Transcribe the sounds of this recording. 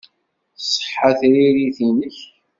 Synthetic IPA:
sˤːə̥ħːaθɾiɾiθinəç

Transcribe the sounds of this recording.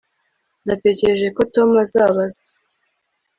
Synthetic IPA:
nate̞ːce̞ɾe̞ʒe̞ko̞tomazaːβaze

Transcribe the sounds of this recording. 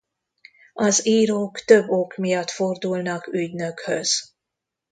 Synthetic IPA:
ɒziːɾoːkt̪ø̞bːokmijɒt̪fo̞rd̪ulnɒkyɟnø̞khøz̥

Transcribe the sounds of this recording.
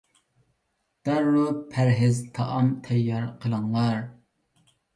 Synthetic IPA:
d̪̥æɾːupʰæɾɦɪzt̪ʰɑʔɑmt̪ʰɛjːɑɾqʰəlˠɨŋlˠɑɾ

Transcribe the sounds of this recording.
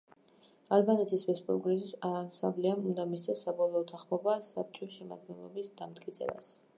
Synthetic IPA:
albanɛt̪ʰisvɛspʼuɾɡʼliɾisansa̰mblɛamund̪amist̪ʰɛsːabɔlˠɔːt̪ʰaχmɔbasab̚t͡ʃʼɔʃɛma̰d̪̚ɡɛnlˠɔbisd̪amt̪kʼit̪sʰʼɛ̰ba̰s

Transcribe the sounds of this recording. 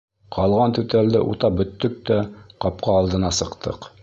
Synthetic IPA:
qʰɑlˠʁɑnt̪ʉt̪æld̪ɘʔṵt̪ɑp̚bɵ̆t̪ːɵk̚t̪æqɑp̚qɑːlˠd̪ɤ̆nɑsɤ̆qt̪ʰɤ̰q

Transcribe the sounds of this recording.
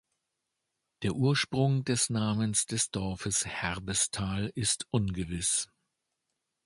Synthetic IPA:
d̥eːɐʔuːɐʃpʁ̥ʊŋdɛsnaːmənsd̥ɛsd̥ɔɐfəshɛʁbəstʰaːlɪstʔʊnɡəvɪs

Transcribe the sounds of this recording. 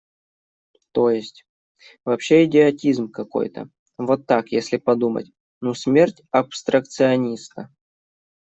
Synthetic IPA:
t̪o̞jɪsʲtʲ | vɐpɕːe̞ɪdʲɪɐtʲizmkɐko̞̰jt̪ə̰ | vot̪ːakjesʲlʲɪpɐd̪umə̰tʲ | nusʲmʲertʲɐpst̪ɾək̚t̪sɨɐnʲisk̪ə

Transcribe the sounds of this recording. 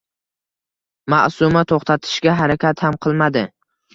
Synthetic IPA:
maʔsʊmat̪ʰoχt̪ʰat̪ʰɪ̥ʃɡʲaɦaɾakʲʰat̪hamqʰɨlˠmad̪ɪ

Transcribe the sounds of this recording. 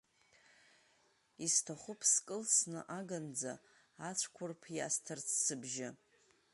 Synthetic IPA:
istʰaχʷʊpʰskʼɨlsnɨ̰ʔaɡand͡za | at͡ʃʷʰkʷʰʊrpʰjastʰart͡sʰsɨbʒɪ

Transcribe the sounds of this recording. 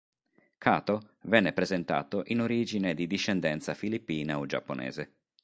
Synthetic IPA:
kʰaːt̪ovɛnːepɾezent̪a̰ːt̪oʔinoɾiːd͡ʒined̪id̪iʃːɛnd̪ɛnt̪safilipːiːnaod͡ʒa̰pːonʔɛ̰ːze

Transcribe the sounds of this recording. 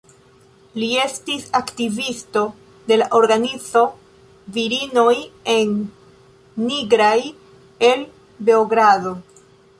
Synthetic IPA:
lie̞stisaktivisto̞ | de̞laʔo̞ɾɡanizo̞ | viɾino̞je̞nː | iɡɾaj | e̞l | be̞oɡɾado̞

